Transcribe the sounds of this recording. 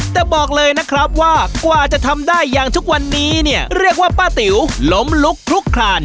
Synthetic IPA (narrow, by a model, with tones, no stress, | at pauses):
t̪ɛː˨˩bɔː˨˩k̚lɤː˧jna˦˥kʰɾa˦˥p̚waː˥˩kwaː˨˩t͡ɕa˨˩ʔt̪ʰa˧mdaː˥˩jːaː˨˩ŋt̪ʰu˦˥k̚wa˧nːiː˦˥ni˥˩əɾi˥˩ək̚waː˥˩paː˥˩t̪i˩˦wlo˦˥mlu˦˥kʰɾu˦˥kʰɾaː˧n